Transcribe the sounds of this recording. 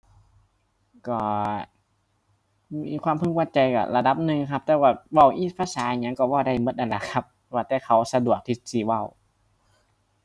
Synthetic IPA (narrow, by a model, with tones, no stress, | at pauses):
kɔː˧˩ | miː˧˨kʰwaː˧˨mpʰɯ˧˩ŋ̚waː˧˩t͡ɕa˧jka̰˧˩la˧da˧˥p̚nɯ˧ŋkʰa˦˥p̚t̪ɛː˧waː˧˩wa˧˩˨wʔiː˧˩pʰaː˧saː˨˦ʔɲa˧˥ŋkɔː˧˩wa˧˩wda˧˩jmɤ˧˥t̪̚ʔa˧nla˧˩kʰa˧˥p̚waː˧˩t̪ɛː˧˩kʰa˧˦˩wsa˧du˨˩ək̚t̪ʰiː˧˩siː˧˩wa˧˩w